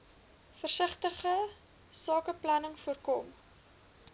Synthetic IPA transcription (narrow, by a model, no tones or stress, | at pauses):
fərsəχtəχə | sɑːkəplɐnəŋfuərkɔm